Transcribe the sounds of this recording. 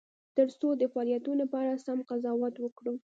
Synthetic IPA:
t̪əɾsod̪əfɑljat̪ulapɑɾasamqazɑwat̪wəkɽu

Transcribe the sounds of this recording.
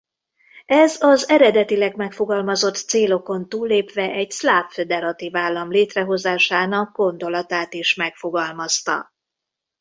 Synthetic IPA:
ɛzɒzɛɾɛd̪ɛt̪ilɛɡmɛkfo̞ɡɒlmɒzo̞t̪seːlo̞ko̞nt̪uːlːeːpʋɛʔɛɟslaːpfed̪ɛɾɒt̪ivaːlːɒmleːt̪rɛɦo̞zaːʃaːnɒɡ̚ɡo̞nd̪o̞lɒt̪aːt̪iʃmɛkfo̞ɡɒlmɒst̪ɒ̰

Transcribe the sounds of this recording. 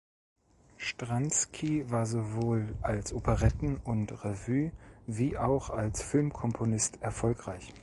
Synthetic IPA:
ʃtʁ̥anskʰivaːɐzovoːlʔalsʔopʰəʁɛtn̩ʊntʁevyːviːʔaʊxalsfɪlmkʰɔmpʰonɪstɛɐfɔlkʁ̥aɪç

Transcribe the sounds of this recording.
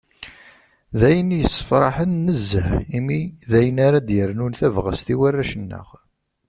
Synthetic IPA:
ðæjənjəsːə̥fɾˤɑħənːəzːəhimiðæjənaɾad̪jəɾnunθævʁə̰st̪iwærːæʃənːə̰ʁ

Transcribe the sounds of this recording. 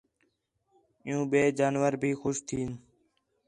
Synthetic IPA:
ɪjũːɓeːd͡ʒaːnʋəɾbʱiːxʊʃt̪ʰiːn

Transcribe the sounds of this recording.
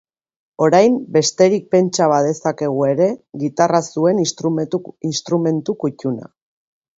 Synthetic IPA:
o̞ɾajmbe̞st̪e̞ɾik̚pe̞nt͡ʃaβaðe̞sake̞ɣ̞ue̞ɾe̞ɣit̪arasue̞n | inst̪ɾume̞nt̪ukucuna̰

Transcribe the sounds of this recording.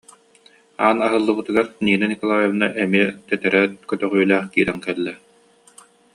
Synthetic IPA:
aːnaɦɯlˠːɯbɯt̪ɯɡaɾniːnanikɔlˠaːjɔvɯnaʔɛmiɛt̪ɛt̪ɛɾɛt̪kœt̪œʁyːlæːχkiːɾɛŋkɛlːɛ

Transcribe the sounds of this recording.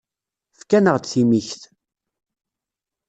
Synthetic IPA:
fkænəʁd̪θimiçθ

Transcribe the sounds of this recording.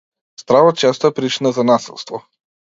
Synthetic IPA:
st̪ɾavɔt̪̚t͡ʃɛst̪ɔɛpɾit͡ʃinazanasḭlˠst̪vɔ

